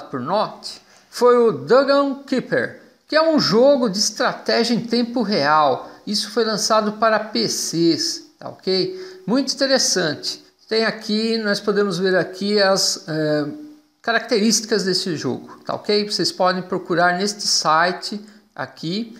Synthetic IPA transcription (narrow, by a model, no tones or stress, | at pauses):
pʊɾnɔt̪ɪ̥ | fojʊd̪ɐɡɐ̃w̃kipḛɾ | kɪɛũʒoɡʊd͡ʒɪːst̪ɾat̪ɛʒjɐẽt̪ẽmpʊɦeawisʊ̥fojlɐ̃sad̪ʊpaɾɐpesest̪a̰o̰kejmũj̃t̪ʊĩt̪eɾesɐ̃nt͡ʃɪ̥ | t̪ẽj̃akʰinɔspod̪ẽmʊzveɾakʰiɐsɛ | kaɾak̚t̪eɾist͡ʃi̥kɐzd̪esɪʒo̰ɡʊt̪a̰o̰kejvosespɔd̪ẽj̃pɾokuɾaɾnest͡ʃɪ̥sajt͡ʃɪa̰ki